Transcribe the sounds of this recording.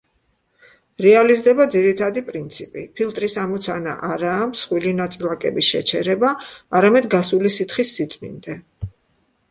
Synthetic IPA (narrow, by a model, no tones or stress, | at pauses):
ɾɛalizd̪ɛbad̪ziɾit̪ʰad̪ipʼɾint̪sʰipʼipʰilˠt̪ʼɾisamɔt̪sʰana̰ʔaɾaːmsχwilinat̪sʼilˠakʼɛ̰bisʃɛ̰t͡ʃʰɛɾɛbaːɾamɛd̪ɡasulisit̪ʰχisːit̪sʼmḭnd̪ɛ